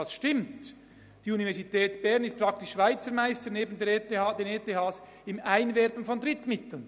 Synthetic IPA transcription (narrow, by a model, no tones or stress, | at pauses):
ɑsʃtɪmt | d̥iːunivɛʁsitɛːtb̥ɛɐʁnɪst̚pʁ̥ɑktɪʃːv̥aɪt͡səɾmaɪstəneːbən̩deːteɑːd̥eːnetehɑːs | ɪmaɪnvɛɾbən̩fɔndʁɪtmɪtl̩n